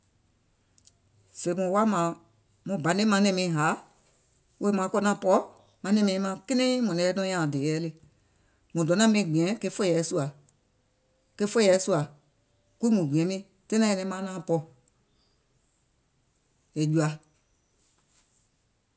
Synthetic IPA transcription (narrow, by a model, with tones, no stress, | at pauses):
fe˨mũ˨wa˦mã˨ | mũ˨bã˨˦nẽ˦mã˧˦nɛ̃˧mĩ˨˧ɦa˨˦ | wo˧˦mã˨˦kɔ˧nã˧˦pɔ˦ | mã˧˦nɛ̃˧mĩ˧ĩ˧˦mã˧˦ke˦nɛ̃˦mɔ̃˨nɛ̃˨ɛ˦dɔ̃˧˦jã˨deː˨jɛː˨˦le˧ | mũ˨dɔ˨˦nã˦mĩ˧˦˨ɡ͡bĩ˨ɛ̃˨˦ke˧˦fo˦jɛ˨˦su˧a˨ | ke˦fo˦jɛ˨˦su˦a˨ | ku˦i˦mũ˨ɡ͡bĩ˨ɛ̃˨˦mĩ˧˦ | tẽ˦nã˧˦ɛ˧nɛ̃˧˦mã˦nãː˦pɔ˧˦ | e˨d͡ʒu˨a˨